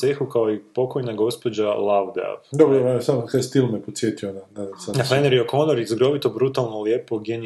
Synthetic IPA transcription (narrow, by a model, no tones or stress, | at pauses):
sexukaoipo̞kojnaɡo̞spo̞d͡ʑalˠawd̪a̰vd̪obɾojeasamkast̪ilˠmepot̪sjeːt̪ionad̪asanafleneɾiokonoɾizɡɾo̞ʋit̪obɾut̪alˠnolje̞poɡeni